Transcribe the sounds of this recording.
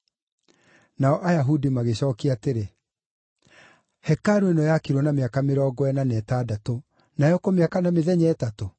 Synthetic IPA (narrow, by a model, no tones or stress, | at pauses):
naɔʔajaɦudimaɣeɕɔːkiateɾe | hɛkaɾoenɔjakiɾɔnameakameɾɔɡɔɛnanɛːtaːdato | najɔkɔmeakanameðɛɲɛːtato